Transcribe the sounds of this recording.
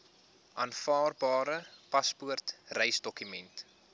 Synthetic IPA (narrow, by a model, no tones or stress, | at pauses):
ʔɑːnfɑːrbɑːɾəpɐspuərtrəjsdɔkymɛnt